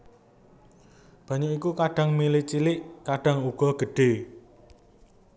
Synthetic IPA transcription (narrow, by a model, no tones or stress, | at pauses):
b̥ä̤ɲuikukaɖ̥ä̤ŋmilit͡ʃilɪʔkaɖ̥ä̤ŋuɡ̥ɔ̤ɡ̥ə̤ɖ̥e̤